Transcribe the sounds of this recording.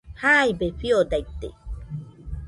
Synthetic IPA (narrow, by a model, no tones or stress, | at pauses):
hajbefiod̪ajt̪ːḛ